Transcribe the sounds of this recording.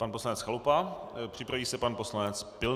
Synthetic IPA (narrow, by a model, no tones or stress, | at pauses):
panpo̞slanɛt͡sxalupa | pr̝̥ɪpɾaviːsɛpanpo̞slanɛt͡spɪl